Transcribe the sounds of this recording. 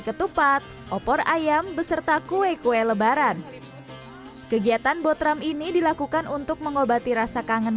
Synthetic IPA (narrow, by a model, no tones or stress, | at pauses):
kət̪upat̪̚ʔɔpɔrajambəsərt̪akuekueləbaɾan | kəɡiat̪anbɔt̪ɾaminidilakukanunt̪ʊk̚məŋobat̪iɾasakaŋən